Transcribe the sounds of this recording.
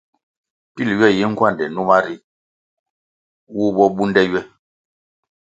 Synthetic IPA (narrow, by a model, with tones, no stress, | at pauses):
pi˦˨lɥɛ˦˨ji˦ŋ̩˦kwa˦˨ndɛ˨nu˦ma˦ɾi˦ | wu˦bɔ˦ɓu˦ndɛ˦ɥɛ˦